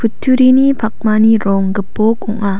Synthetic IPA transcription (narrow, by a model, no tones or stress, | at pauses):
pʰutʰːuɾinipʰak̚maniɾɔŋɡɯpːɔk̚ɔŋa